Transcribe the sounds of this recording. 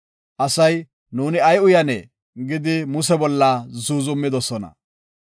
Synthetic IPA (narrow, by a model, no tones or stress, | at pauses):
ʔɐsɐj | nuːnɪɐjʊjɐnɛ | ɡɪd̪ɪmʊsɛbɔlːɐzuːzʊmːɪd̪ɔsɔnɐ̰